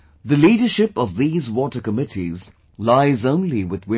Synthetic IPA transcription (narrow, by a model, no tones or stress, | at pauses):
ðɨliːɾə˞ʃɪpʌvðizwɔtə˞kəmɪtʰḭz | laɪzõʊ̃nliwɪðwɪ̃